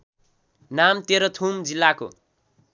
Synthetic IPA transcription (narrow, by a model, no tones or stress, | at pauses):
namt̪eɾʌt̪ʰumd͡zilːako̰